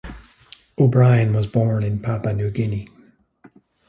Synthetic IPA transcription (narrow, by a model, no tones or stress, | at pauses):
obɹaɪə̃nwʌzbɔɹnɪ̃npʰapanʉɡɪni